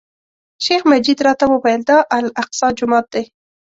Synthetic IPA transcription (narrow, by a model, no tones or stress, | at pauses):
ʃexmad͡ʒid̪ɾɑt̪awəwajəld̪ɑʔalaq̚sɑd͡ʒʊmɑt̪̚d̪ej